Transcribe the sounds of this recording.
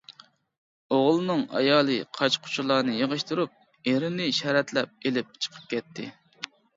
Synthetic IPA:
oʁlˠɨnɨŋɑ̰jɑːlˠɨqʰɑt͡ʃqʰʊ̥t͡ʃʰulˠɑːnɨjəʁəʃt̪uɾup̚ | eɾɪnɪʃɛɾɛt̪lɛp̚elɪp̚t͡ʃʰə̥qʰə̥p̚kʲʰɛt̪ʰːɪ̰

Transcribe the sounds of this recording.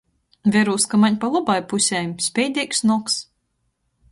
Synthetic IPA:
vʲɛɾuːskamaɲʲpalˠɔbajpusʲɛːmsʲpʲɛjd̪ʲiːksnɔks

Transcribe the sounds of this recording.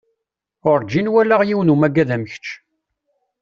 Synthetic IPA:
ʊɾˤd͡ʒːinwælaʁjiwnumæɡæðæməç̥t͡ʃː

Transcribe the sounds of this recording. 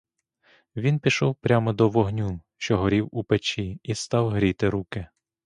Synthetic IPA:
ʋʲinpʲiʃɔwpɾʲamɔd̪ɔʋɔɦnʲuʃt͡ʃɔɦɔɾʲiwupet͡ʃiist̪ɑwɦɾʲijt̪ɪɾukɪ

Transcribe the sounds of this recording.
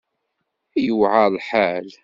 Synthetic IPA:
æjuʕalħal

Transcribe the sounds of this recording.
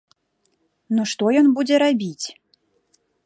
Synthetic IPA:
nuʂt̪ɔjɔnbud͡zʲɛɾabʲit͡sʲ

